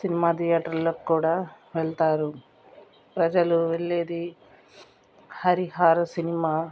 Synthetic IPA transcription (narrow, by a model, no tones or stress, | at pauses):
sinimaːt̪ijaːʈɐɾloːkkːuːɽaː | ʋeɭt̪aːɾu | pɾɐd͡ʒɐluʋeɭːe̞ːd̪i | hɐɾiɦaːɾɐsinimaː